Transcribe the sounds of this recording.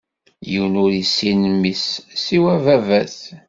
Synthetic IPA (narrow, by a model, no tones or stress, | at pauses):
jəwnʊɾisːinəmːisːiwævævæθ